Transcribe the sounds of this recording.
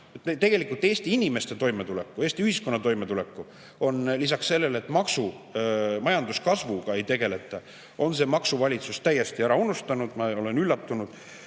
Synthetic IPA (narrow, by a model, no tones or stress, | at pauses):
et̪et̪eɡ̥e̞likˑult̪ːˑe̞ːst̪iinime̞st̪e̞t̪o̞jme̞t̪ule̞kːˑue̞ːst̪iyhisko̞nːɑt̪o̞jme̞t̪ule̞kːˑu | o̞nlisɑksse̞lːele̞t̪ˑmɑksu | mɑjɑnd̪uskɑsvuɡ̥ɑe̞jt̪e̞ɡ̥e̞le̞t̪ːˑɑ | ʔo̞nse̞ːmɑksuvɑlʲit̪sust̪æjːest̪iæɾɑunːust̪ɑnud̪̥mɑo̞le̞nylːɑt̪ːunud̪̥